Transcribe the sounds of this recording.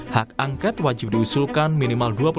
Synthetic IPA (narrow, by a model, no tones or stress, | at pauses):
hak̚aŋkɛt̪wad͡ʒɪp̚diusulkanminimalduapu